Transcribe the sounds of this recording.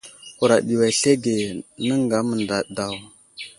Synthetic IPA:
u˨ɾa˨ɗi˨wa˨ɬe˦ɡe˨nə˦ŋɡa˨˦mə˨nda˨da˨w

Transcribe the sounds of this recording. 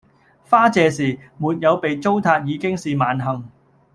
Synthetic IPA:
faː˥t͡sɛː˨˧siː˨˩muː˨t̚jɐ˨˧wpe˨jt͡so˥wt̪ʰaː˧t̚jiː˨˧kɪ˥ŋsiː˨maː˨˧nɦɐ˨ŋ

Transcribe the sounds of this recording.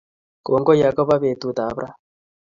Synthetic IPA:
ko˨ŋɡɔ˦ja˨kɔ˦βa˦βe˨t̪u˨t̪a˨˦bɾʔa˦

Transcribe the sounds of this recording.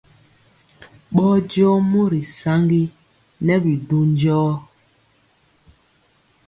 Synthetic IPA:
ɓɔː˦d͡ʒjɔ˦mu˦ɾi˨sa˦ŋɡi˦ | nɛ˦bi˨du˦n˦d͡ʒɔː˦

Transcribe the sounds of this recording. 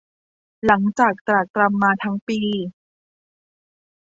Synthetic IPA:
la˩˦ŋt͡ɕaː˨˩k̚t̪ɾa˨˩k̚t̪ɾa˧mːaː˧t̪ʰa˦˥ŋpiː˧

